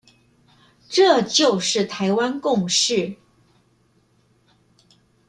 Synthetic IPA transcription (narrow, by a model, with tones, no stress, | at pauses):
ʈ͡ʂɤ˥˧˩t͡ɕjo˥˧ʊʂɻ̩˥˩t̪ʰa˧˥ɪwa˥nkʊ˥˧ŋʂɻ̩˥˩